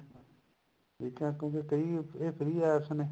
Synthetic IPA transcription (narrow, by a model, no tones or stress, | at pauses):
ʈʰiːkɛ̃ːkjõːkekɐiːeːpʰɪɾiːaːsəneː